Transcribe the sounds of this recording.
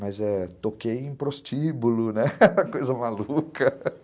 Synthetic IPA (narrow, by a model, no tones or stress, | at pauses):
mɐzɛt̪okejẽj̃pɾost͡ʃibulʊnɛkojzɐmalukɐ